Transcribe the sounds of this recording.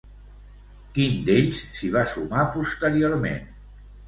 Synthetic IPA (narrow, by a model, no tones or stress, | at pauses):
kind̪eʎssiβ̞asumapust̪əɾioɾmḛn